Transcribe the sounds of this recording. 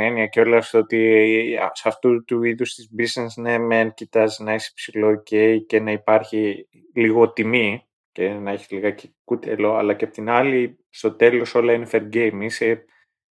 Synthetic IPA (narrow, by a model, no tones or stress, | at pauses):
eniɐceo̞lɐsot̪ḭ | sɐft̪ut̪uiðust̪izbiznesnemencit̪ɐznɐise̥psilo̞ːceice̞nɐipɐɾçi | liɣo̞t̪imi | cenɐeçi̥liɣɐcekut̪elo̞ɐ̰lɐceɐpot̪inɐli | st̪o̞t̪e̞lo̞so̞lɐinefeɾɟejmise